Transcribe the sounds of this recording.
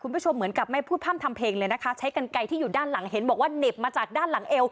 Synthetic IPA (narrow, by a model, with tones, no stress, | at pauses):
kʰu˧nbʰu˥˩t͡ɕʰo˧mːɯ˩˦ənka˨˩p̚ma˥˩pʰuː˥˩pʰaː˥˩mt̪ʰa˧mpʰeː˧ŋləː˧jna˦˥kʰa˦˥t͡ɕʰa˦˥jka˧nka˧jt̪ʰiː˥˩juː˨˩daː˥˩nla˩˦ŋɦe˩˦nbɔː˨˩k̚waː˥˩ne˨˩p̚maː˧t͡ɕaː˨˩k̚daː˥˩nla˩˦ŋʔe˧w